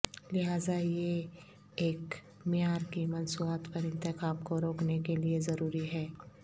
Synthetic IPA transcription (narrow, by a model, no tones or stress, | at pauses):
lɪɦaːzaje | eːk | mɪjaːɾkimɐnsuːaːt̪pɐɾɪ̃nt̪ɪxaːbkoɾoːknekeliezɐɾuːɾiɦɛː